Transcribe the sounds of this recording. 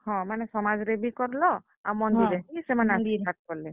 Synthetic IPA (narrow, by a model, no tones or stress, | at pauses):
hɔ̃manɛsɔmazɾebikɔɾlɔ | a̰wmɔndiɾebiisɛmanadidʱat̚kɔɹlɛ